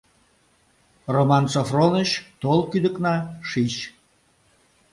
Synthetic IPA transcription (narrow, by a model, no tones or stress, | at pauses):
romɑnsofronəɕt̪olˠkyd̪əknɑʃiɕ